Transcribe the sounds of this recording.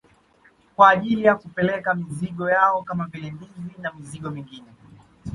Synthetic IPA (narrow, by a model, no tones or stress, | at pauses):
kwaːʄilijakupɛlɛkamiziɠɔjaɔkamavilɛndivinamiziɠɔmiŋɡinɛ